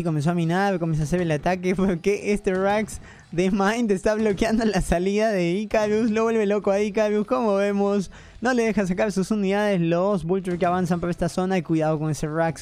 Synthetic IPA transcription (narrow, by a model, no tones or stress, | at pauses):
iko̞mens̬oamĩnaɾkomens̬oas̬eβelat̪akepeɾkeʔest̪eraks | ðemãjnt̪est̪aβlo̞kjand̪olasaliðaðeikaβjusloβwe̞lβelo̞koaikaβjusko̞mo̞βe̞mos | no̞le̞ðe̞xas̬akaɾsusuniðaðeslosβult̪eɾk̬eaβansampoɾest̪aso̞naikwuiðaðoko̞neseraks